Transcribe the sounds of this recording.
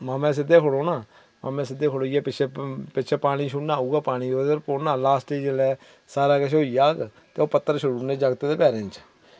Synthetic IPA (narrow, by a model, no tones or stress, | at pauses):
maːmɛ̃ːs̬ɪd̪eːkʰoɽoːnaː | ma̰ːmẽːs̬ɪd̪eːkʰoɽoːiɛːpɪt͡ʃʰeːpɪt͡ʃʰeːpaːɽ̃ĩːʃʊnãːuːɡaːpaːɽ̃iːoːd̪əɾpoːnaːlaːsʈeːd͡ʒlɛː | saːɾaːkəʃ̬ʰeoːiːaːɡt̪eːoːpət̪ːəɾʃəɾuːɾnẽːd͡ʒaɡt̪eːd̪eːpɛːɾẽːnt͡ʃʰː